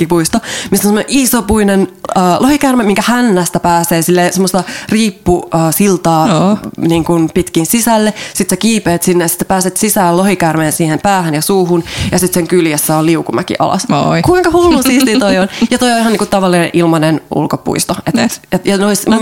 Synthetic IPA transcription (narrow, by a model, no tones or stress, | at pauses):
kipuist̪omist̪ːonsemːoneʔisopuinenəːlohikærmemiŋkæhænːæst̪æpæːseːsilːeːsemːost̪ɑriːpːuəːsilt̪ɑːniːŋkunpit̪kinsisælːesit̪sækiːpeːt̪sinːejɑsi̥t̪sæ̥pæːset̪sisæːllohikærmeːnsiːhempæːhænjɑsuːhunjɑsit̪seŋkyljæsːæoliukumækḭʔɑ̰lɑ̰skuiŋkɑhullusiːst̪it̪oionjɑt̪oioihɑnːiːŋkut̪t̪ɑʋɑlːinḛnʔilmɑnenṵlkopṵist̪oet̪et̪jɑjɑnoism